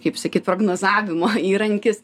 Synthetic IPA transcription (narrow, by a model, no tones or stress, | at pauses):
kɐɪpsɐkʲiːt̪pɾoːɡnoːzɑːʋʲɪmoːiːɾɐŋʲkʲɪs